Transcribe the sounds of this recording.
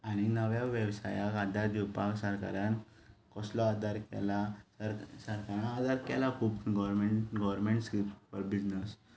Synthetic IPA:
aɽ̃inəʋjaʋəʋsa̰jakad̪ʱad̪iwpaksəɾka̰ɾãn | kɔslɔad̪ʱaɾkɛ̰lasəɾsəɾkaɾãnad̪ʱaɾkɛlakʰuːpɡɔʋɾmeɳɡɔʋəɾmeɳʈsɾipfɔɾbid͡znəs

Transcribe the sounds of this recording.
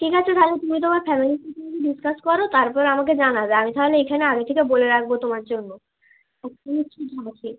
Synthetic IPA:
ʈʰikat͡ɕʰoɾʰʱalot̪umit̪̬omaɾfɛmilisiʈikeɖiskaskɔɾot̪aɾpɔɾeamaked͡ʑanabeamit̪aɦoleekʰaneaɡit̪ʰekeboleɾak̚bot̪omaɾd͡ʑonːo | ɛk̚tomiʈʰikakʰi

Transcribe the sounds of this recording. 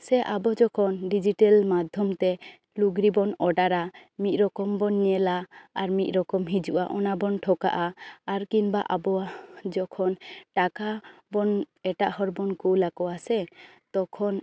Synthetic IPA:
sɛʔabɔd͡ʒɔkʰɔnɖid͡ʒiʈɛlmad̪ʱjɔmt̪ɛ | luɡɾibɔnɔɖaɾamit̪̚ˀɾɔkɔmbɔniɛlaaɾmit̪̚ɾɔkɔmɦid͡ʒuʔaʔɔnabɔnʈʰɔka̰ʔaːɾkinbaʔabɔad͡ʒɔkʰɔnʈakabɔn | ɛʈaʔhɔɾbɔnkuwlakɔasɛ | t̪ɔkʰɔn

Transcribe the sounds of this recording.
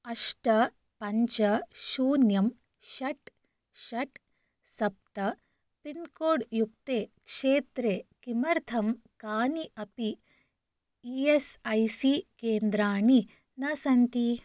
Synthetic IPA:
ɐʂʈɐ | pɐɲt͡ʃɐʃuːnjɐm | ʃɐʈ | ʃɐʈ | sɐp̚t̪ɐ | pinkoːɖjuk̚t̪eːkʂeːt̪ɾeːkimɐɾt̪ʰɐm | kaːniʔɐpi | iesɐjsikeːnd̪ɾaːɳi | nɐsɐnt̪i

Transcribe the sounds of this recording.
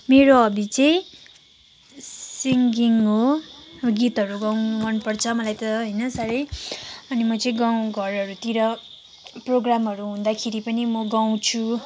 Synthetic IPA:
meɾoʌbit͡sʌĩ | siŋɡiŋɦo | ɡit̪ɦʌɾuɡawmʌnpʌrt͡sʰʌmʌlajt̪ʌɦʌjnʌsʌɾʌjʌnimʌt͡sʌĩɡaw̃ɡʱʌrʌɾut̪iɾʌ | proɡramɦʌɾuɦũnd̪akʰeɾipʌnimʌɡaw̃t͡sʰu

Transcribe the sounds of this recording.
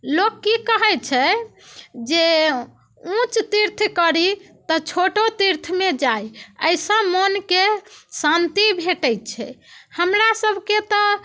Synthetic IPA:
lokːikəɦɛt͡ʃʰɛ | d͡ʒe | ũt͡ʃt̪iɾt̪ʰkəɾi | t̪ɔt͡ʃʰoʈot̪iɾt̪ʰmed͡ʒajə̰jsə̃mənkesãnt̪ibʱeʈəjt̪̚t͡ʃʰɛ̰həmɾasəbʱket̪ɔ

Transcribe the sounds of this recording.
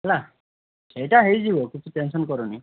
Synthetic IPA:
la | sejtaɦejzibɔkit͡sʰitensɔnkɔɾuni

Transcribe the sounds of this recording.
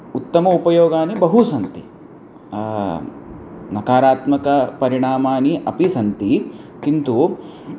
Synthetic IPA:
ut̪ːɐmɐupɐjoːɡaːnibɐɦusɐnt̪ḭ | nɐkaːɾaːt̪mɐkɐpɐɾiɳ̃aːmaːniʔɐpisɐnt̪ikint̪u

